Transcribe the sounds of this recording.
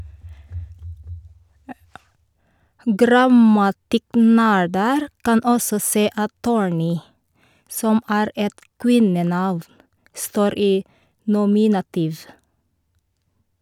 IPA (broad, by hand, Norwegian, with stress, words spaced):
ˈɡɾɑmɑtɪˌknæːɖəɾ ˈkɑn ˈɔsɔ ˈseː ˈɑt ˈtuːɹˌniː ˈsɔm ˈæːɾ ˈɛt ˈkwɪnəˌnɑʋ ˈstoːɾ ˈiː nʊˈmɪnɑtiːʋ